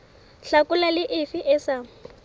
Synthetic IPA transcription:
ɬakʼʊlalɪʔɪfɪʔɛsa

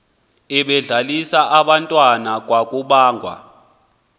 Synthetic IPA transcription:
ɛɓɛɮalisaʔaɓantʼwanak̬ʼwakʼuɓaːŋɡʱwa̰

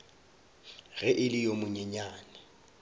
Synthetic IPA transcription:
ɣɛʔɪlɪjomʊɲɛɲaːnɛ

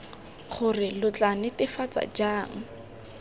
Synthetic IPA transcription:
χʊrɪlʊt͡ɬanɪtɪfat͡sa̰d͡ʒaːŋ̩

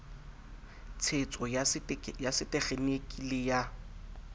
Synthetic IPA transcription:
t͡sʰet͡sʼɔjajasɪtʼɛχenekʼileja

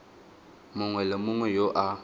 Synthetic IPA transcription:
mʊŋwɛlɪmʊŋwɛjoʔa

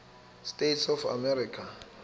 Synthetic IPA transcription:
stʼetsɔfa̰mɛɾikʰa

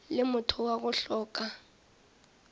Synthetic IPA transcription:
lɪmʊtʰʊwaɣʊɬɔːk̬ʼa

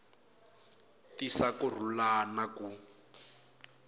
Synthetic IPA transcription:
tisakur̤ulanaku

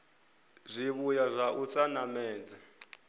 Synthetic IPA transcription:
zʷiβujazʷaʔut͡sanamɛːd͡za

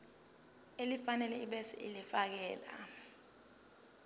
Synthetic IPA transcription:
elifanɛlɛiɓɛsɛ̰ʔilifak̬ɛːla̰

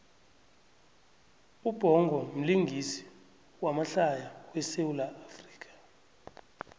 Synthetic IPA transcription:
ub̥ʱɔŋɡʱɔm̩liŋɡʱisi̥ | wamaɬajawɛsewulaːfri̥ːkʼḁ

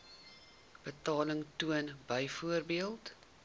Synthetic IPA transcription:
b̥ətɑːləŋtuənbəjfuərbiəlˠt

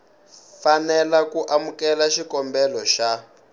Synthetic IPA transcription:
fanɛlakuʔamukɛlaʃikɔmbɛlɔʃa

